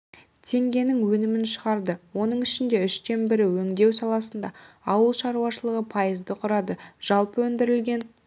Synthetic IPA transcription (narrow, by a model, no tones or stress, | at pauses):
t̪ʰe̞ŋɡʲe̞nɪŋwɵnɪmɪnʃəʁɑɾd̪əwo̞nəɴɪʃɪnd̪e̞ʏʃt̪e̞nbɪɾɪwɵŋd̪e̞wsɑlˠɑsənd̪ɑ | ɑwəlˠʃɑɾuwɑʃəlˠəʁəpʰɑjəzd̪əqʰʊɾɑd̪əʒ̥ɑlˠpəwɵnd̪ɪɾɪlɡʲe̞n